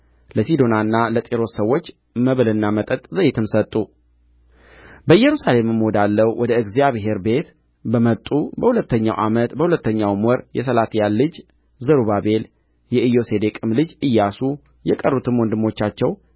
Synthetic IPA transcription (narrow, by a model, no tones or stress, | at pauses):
ləsid̪o̞nanːalət̪ʼeɾo̞ssəwːo̞t͡ʃː | məβɨlɨnːamət̪ʼət̪ʼzəjɪt̪ʰɨmsət̪ʼːu | bəɨjːɛɾusale̞mɨmːod̪alːəwwʔɔd̪əɨɡzijaβɦe̞ɾbe̞t̪ | bəmət̪ʼːubəhulət̪ːəɲːa̰wʔamət̪bəhulət̪ːəɲːawmɔɾjɛs̬əlat̪ʰijalːɨd͡ʒ | zəɾuβabe̞l | jɛʔɨjo̞se̞d̪ekʼɨmlɨd͡ʒɨjːasu | jɛkʼərːut̪ʰɨmwɔnd̪ɨmːo̞t͡ʃːat͡ʃːɛw